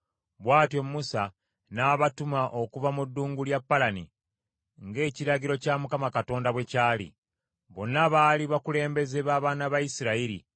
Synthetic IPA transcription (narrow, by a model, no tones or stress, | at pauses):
βwaːtjo̞mːusa | naːβatumaʔo̞kuvamudːuːŋɡuljapːalanḭ | ŋɡe̞ːciɾaɟiɾo̞camukamakato̞ːndaβwe̞caːlḭ | βo̞nːaβaliβakule̞ːmbe̞ze̞βaːβaːnaβajisiɾaiɾḭ